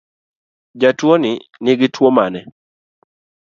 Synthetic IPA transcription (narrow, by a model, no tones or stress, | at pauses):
d͡ʒatwonɪnɪɡɪtwomanɛ